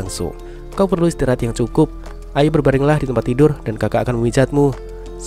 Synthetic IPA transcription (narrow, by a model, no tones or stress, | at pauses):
ŋsʊ̰ŋ | kawpərluist̪iɾaat̪jaŋt͡ʃukʊp̚ | ʔaibərbaɾɪŋlahdit̪əmpat̪ːidʊrdankakaːkanməwid͡ʒat̪̚mu | s